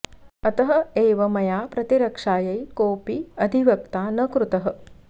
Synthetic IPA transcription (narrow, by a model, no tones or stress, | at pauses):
ɐt̪ɐɦɐ̆eːʋɐmɐjaːpɾɐt̪iɾɐkʂaːjɐjkoːpiɐd̪ʱiʋɐk̚t̪aːnɐkɾut̪ɐɦɐ̆